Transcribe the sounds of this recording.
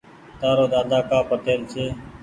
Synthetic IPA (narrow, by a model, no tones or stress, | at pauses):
t̪aːɾoːd̪aːd̪aːkaːpət̪eːlseː